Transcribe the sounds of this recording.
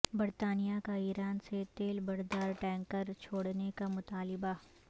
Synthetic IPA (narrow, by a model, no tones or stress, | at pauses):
bɐɾt̪aːnijakaiːɾaːnset̪eːlbɐɾd̪aːɾʈɛ̃ːŋkəɾt͡ʃʰoːɽnekamʊt̪aːlɪba